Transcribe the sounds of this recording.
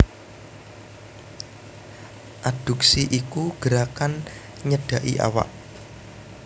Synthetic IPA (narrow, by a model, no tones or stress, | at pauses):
ʔad̥ṳksiʔikuɡ̥əɾakan | ɲəɖ̥a̤ʔḭʔa̰wa̰ʔ